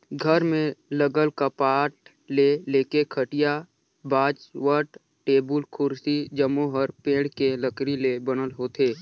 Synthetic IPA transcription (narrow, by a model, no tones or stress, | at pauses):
ɡʱəɾmẽləɡəlkəpaːʈ | leleːkekʰəʈɪja | baːd͡ʒwəʈ | ʈeːbəlkʰʊɾsid͡ʒəmõɦəɾpẽːɽkeləkɾilebənəlɦoːt̪ʰeː